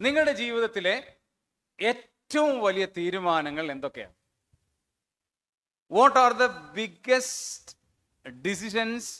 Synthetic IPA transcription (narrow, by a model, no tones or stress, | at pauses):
niŋːɐɭuɽe̞d͡ʑiːʋiðɐt̪ːile̞ | eːttːɐʋumʋɐlijɐt̪iːɾumaːnɐŋːɐɭe̞nd̪o̞kːe̞ja̰ːm | ʋoʈːaːrðɐbiɡest | ɖis̬iɕ̬ɐns